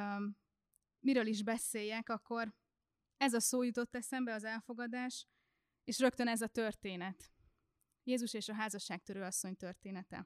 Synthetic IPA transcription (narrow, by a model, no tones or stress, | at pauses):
miɾøːliʒbɛseːjɛkɒkːo̞r | ɛzɒsoːjut̪o̞t̪ːɛsɛmbɛɒzɛlfo̞ɡɒd̪aːʃ | eːʃrø̞kt̪ønɛzɒt̪ø̞rt̪eːnɛt̪ | jeːzuʃeːʃɒɦaːzɒʃːaːk̚t̪øɾøːɒsːo̞ɲt̪ørt̪eːnɛt̪ɛ̰